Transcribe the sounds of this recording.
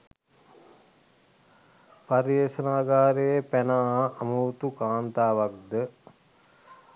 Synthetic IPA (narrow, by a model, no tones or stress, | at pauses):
paɾijeːsənaːɡaːɾejepænaaːmuwt̪ukaːnt̪aːʋakd̪ə